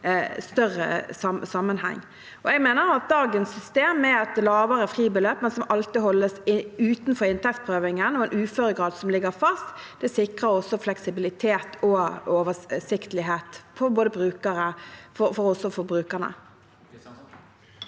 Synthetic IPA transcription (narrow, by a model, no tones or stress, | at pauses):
st̪œʁə̰sɑmsɑmːənhɛ̰ŋː | ɔɛɡmeːnəɾɑt̪̚d̪ɑːɡənsːʏst̪eːmːɛɛt̪lɑːʋəʁəfʁiːbəløːpmɛnsɔmɑlt̪ɪɦɔlːəsɪʉːt̪n̩fɔɾɪnt̪ʰɛk̚t̪̚pʰʁøːʋɪŋənɔɛnʔʉːføɾəɡʁɑːd̪sɔmlɪɡəʁfɑst̪d̪̥ɛsɪkʁəɾɔsɔflɛksɪbɪlɪt̪ʰeːt̪ʰɔoːʋəsɪkt̪əlɪɦeːt̪pʰɔboːd̪əbʁʉːkəɾəfɔfɔʁɔsɔfɔɾbʁʉːkəʁnə̰